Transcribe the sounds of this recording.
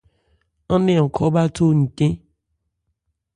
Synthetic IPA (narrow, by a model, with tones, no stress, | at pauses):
ɔ̃˦nẽ˦ɔ˨kʰɔ˨˦ba˦to˦˨n̩˨tẽ˦